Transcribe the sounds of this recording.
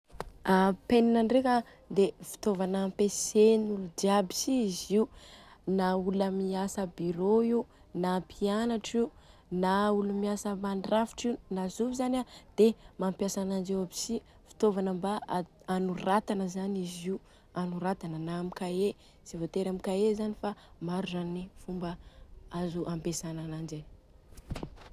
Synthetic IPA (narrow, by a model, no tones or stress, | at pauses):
apeninaɳɖ͡ʐeka | d̪evi̥t̪ovanampesenulud̪iabi̥siiziunauləmiasəbiɾoi | napʰianaʈ͡ʂinaulumiasəmaɳɖ͡ʐafi̥ʈ͡ʂiunazuvizanad̪̥emampjasanand͡ʒewabi̥si | fi̥t̪ovanəmba | anurat̪anəzaniziu | anuɾat̪anənamikae | zivot̪eɾamikaezanifamaɾuzanifumbəazuʔampesananand͡ʒa